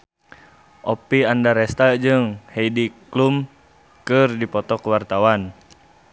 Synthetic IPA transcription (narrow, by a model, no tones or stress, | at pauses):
ʔɔpiandaɾɛst̪ad͡ʒɨŋhɛidiklum | kɨrdipɔt̪ɔkəwart̪awan